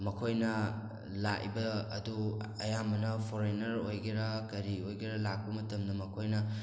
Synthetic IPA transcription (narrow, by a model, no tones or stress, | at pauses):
mɐkʰojnɐ | la̰ʔjbɐːduɐjamɐnɐpʰoɾenɐɾojɡeɾɐkɐɾiojɡiɾɐlak̚pɐmɐtɐmdɐmɐkʰojnɐ